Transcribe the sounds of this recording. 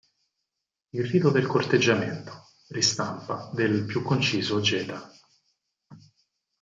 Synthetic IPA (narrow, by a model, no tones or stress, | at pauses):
ilriːt̪od̪elkort̪ed͡ʒːament̪o̥ | rist̪ampad̪elpjukːont͡ʃiːzod͡ʒɛːt̪a